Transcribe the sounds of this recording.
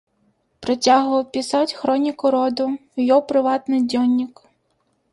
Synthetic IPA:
pɾɔtʲaɦʊʋɐwpʲɪsɑtʲxɾɔnʲikʊɾɔd̪ʊwjɔwpɾɪʋɑt̪nɪjdʲɔnʲːik

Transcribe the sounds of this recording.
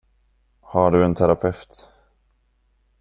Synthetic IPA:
haɖɵɛnt̪ʰæɾapʰɛft̪

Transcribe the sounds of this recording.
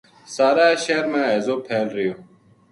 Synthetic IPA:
saːɾaːɕeːɾmãːezoːpʰeːlɾijoː

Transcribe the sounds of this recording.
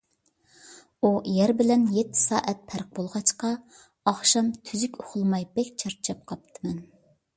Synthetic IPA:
ujæɾbɪlɛnjet̪ʰːɪ̥sɑ̰ːʔɛt̪̚pʰæɾq̚b̥olˠʁɑt͡ʃqɑ | ɑχʃɑmt̪ʰyzykʲoχʊlˠmɑjbɛkʲt͡ʃʰɑɾt͡ʃʰɑp̚qʰɑp̚t̪ʰɨmɛn

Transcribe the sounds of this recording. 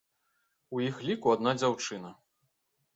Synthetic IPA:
ujixlʲikuad̪nad͡zʲawt͡ʂɨnɐ

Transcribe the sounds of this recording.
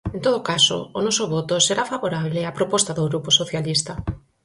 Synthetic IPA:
ẽnt̪oðokaso̰ːnɔsoβot̪oseɾafaβoɾaβleapɾopɔst̪aðoɣɾuposoθjalist̪a

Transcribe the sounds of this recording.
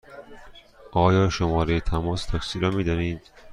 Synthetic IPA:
ʔɒːjɒːʃomɒːɾejet̪ʰæmɒːst̪ʰɒksiːɾɒːmiːd̪ɒniːd̪̥

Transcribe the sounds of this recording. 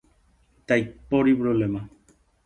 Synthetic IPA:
t̪ajpoɾiβɾolemã

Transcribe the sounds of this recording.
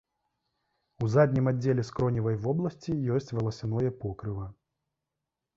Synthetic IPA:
uzad̪ʲnʲimadd͡zʲːelʲɛskɾɔnʲivɐjvɔblˠɐsʲt͡sʲijɔsʲt͡sʲvɐlˠɐsʲanɔjɛpɔkɾɨvɐ

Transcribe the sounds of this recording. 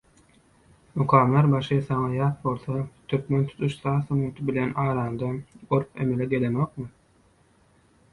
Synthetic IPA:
muqʰɑːmleɾbɑʃɯsɑŋɑjɑːt̪̚bo̞lˠθɑt̪ʰyɾkme̞nt̪ʰu̥t̪ʰuʃsɑːsɑmut̪ʰɯbilenɑːɾɑːnd̪ɑɡoɾpḛme̞leɡe̞lenoq̚mɯ

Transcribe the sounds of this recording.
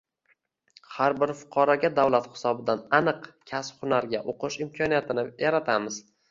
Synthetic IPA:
haɾbɪɾfʊ̥qʰɑɾɒɡʲad̪awlat̪hɪ̥sɒbɪd̪ananɨqkʲʰasphʊnaɾɡʲaʔoqʰɨʃɪmkʲʰɒnijat̪ʰɪnɪjaɾat̪ʰamɪz

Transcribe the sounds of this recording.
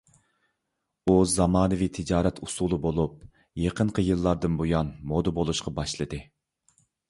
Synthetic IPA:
uzɑmɑːnɨvit̪ʰɪd͡ʒɑːɾɛt̪ʰusulˠɨbolˠup̚ | jeqʰəɴqʰəjɨlˠːɑɾd̪ɨnbujɑnmod̪ɨbolˠuʃqʰɑbɑʃlˠɨd̪ɨ

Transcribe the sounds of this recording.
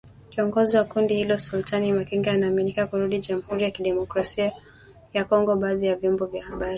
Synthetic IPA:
kiɔŋɡɔziwakundihilɔsultʰanimakiŋɡaanaːminikakuɾuɗiʄamuhuɾijakiɗɛmɔkɾasia | jakɔŋɡɔɓaːðijavjɔmbɔvjahaɓaɾi

